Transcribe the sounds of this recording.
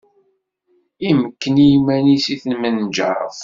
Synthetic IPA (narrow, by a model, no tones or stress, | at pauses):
iməkːənijumænisiθənmənd͡ʒə̰ɾˤə̰f